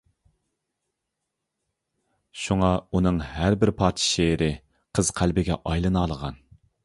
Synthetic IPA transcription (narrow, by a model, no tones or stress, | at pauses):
ʃuŋɑunɨŋɦæɾbɪɾpʰɑːt̪ʰʃeɾɪ | qʰəz̥qʰælbɪɡʲɛ̰ʔɑjlˠɨnɑːlˠəʁɑn